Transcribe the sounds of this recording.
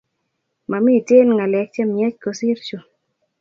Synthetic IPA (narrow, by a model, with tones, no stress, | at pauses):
ma˨mi˦˨te˦lŋa˨lɛ˨k̚t͡ʃa˦mja˦t͡ʃko˨si˦ɾt͡ʃu˨